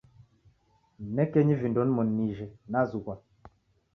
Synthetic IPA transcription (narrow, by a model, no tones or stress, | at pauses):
mɛkɛɲivindɔnmɔnːiʒɛnazuka